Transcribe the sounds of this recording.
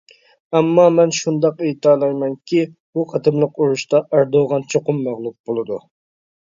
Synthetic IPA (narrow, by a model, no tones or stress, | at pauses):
ɛmːɑmɛnʃund̪ɑqejt̪ɑːlˠɑjmɛŋkʲʰi | buqʰɑt̪ʰɨmlˠəquɾuʃt̪ɑʔæɾd̪oʁɑnt͡ʃʰoqʊmːæʁlˠup̚bolˠɨd̪ṵ